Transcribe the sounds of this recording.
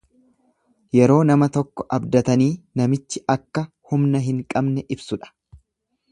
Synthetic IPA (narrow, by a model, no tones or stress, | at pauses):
jɛɾo̞ːnɐmɐt̪ɔkːɔ̥ʔɐbd̪ɐt̪ɐniːnɐmɪt͡ʃːɪɐkːɐ | hʊmnɐɦɪŋkʼɐbnɛʔɪbsʊᶑɐ̥